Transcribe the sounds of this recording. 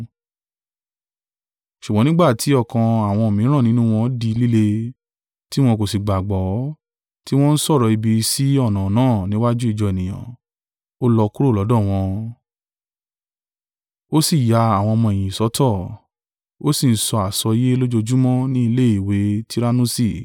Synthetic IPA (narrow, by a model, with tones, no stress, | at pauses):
ʃu˨ɡ͡bɔ̃˨˦nĩ˦ɡ͡ba˦˨tʰi˨˦ɔ˦˨kã˧a˨w̃ɔ̃˧o˨mĩ˨˦ɾ̃ã˦˨nĩ˨˦nũ˦w̃ɔ̃˧˦di˧˦li˦le˧ | ti˦w̃ɔ̃˧ko˨si˨ɡ͡ba˨ɡ͡bɔ˨˦ | ti˦w̃ɔ̃˦n̩˦sɔ˦˨ɾɔ˨˧i˧bi˧si˨˦ɔ˦˨nã˨nãː˦˨nĩ˨˦wa˦d͡ʒu˦i˦˧˨d͡ʒɔ˧e˨nĩ˨j̃ã̰˨ | o˦lɔ˧ku˦ɾo˦˨lɔ˨˦dɔ̃˦˨w̃ɔ̃˧ | o˦si˦˨ja˧a˨w̃ɔ̃˧ɔ˧mɔ̃˧e˨j̃ĩ˨sɔ˨˦tʰɔ˦˨ | o˦si˦˨n̩˦sɔ˧a˨sɔ˧je˦lo˦d͡ʒo˧d͡ʒu˦mɔ̃˦nĩ˦i˧le˦i˨we˨˦ti˦ɾa˦nũ˦si˦˨